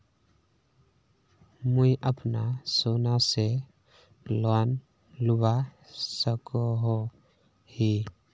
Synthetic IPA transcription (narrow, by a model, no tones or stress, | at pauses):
mʊiʔəpnasoːnase | lan | lʊbasəkoɦo | hi